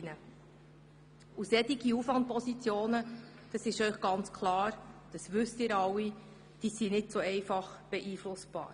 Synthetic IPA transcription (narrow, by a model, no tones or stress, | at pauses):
nə | usɛt̪iɡ̥iufʋɑnt̚pʰɔsit͡sjoːnə | d̥ɑsɪʃœʏχɡ̥ɑnt͡skʰlɑːɾd̥ɑsʋʏstɪːɾɑwi | d̥iːsinɪdsoɛɪfɑχb̥ɛʔiːflʊsb̥ɑ̰ːɾ